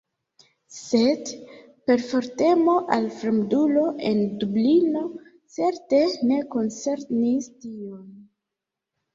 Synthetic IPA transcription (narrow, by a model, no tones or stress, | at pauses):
se̞d | pe̞ɾfo̞ɾte̞mo̞ʔalfɾemdulo̞ʔe̞̰ndublino̞ | t͡se̞ɾte̞ne̞ko̞nt͡se̞ɾnistion